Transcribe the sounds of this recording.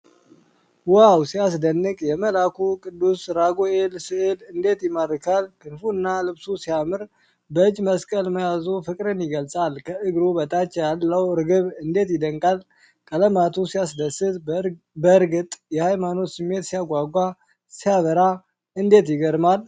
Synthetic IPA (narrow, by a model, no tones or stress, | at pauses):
wawsijas̬d̪ənːɨkʼjɛməlakʰukʼɨd̪ːusɾaɡoelsɨʔelɨnd̪e̞t̪jɪmərːɨkʰalkʰɨnfuɨnːalɨβsusijamɨɾ | bəɨd͡ʒːməskʼəlməjazofɨkʼɾɨnjɪɡəlsʼalkʰəʔɨɡɾubət̪ʼat͡ʃːjalːəwɾɨɡɨβɨnd̪e̞t̪jɪd̪əŋkʼal | kʼələmat̪ʰusijas̬d̪əsɨt̪ | bəɨɾɡɨt̪ʼjɛhajmano̞t̪sɨmːe̞t̪sijaɡʷaɡʷa | sijaβəɾa | ɨnd̪e̞t̪jɪɡəɾmal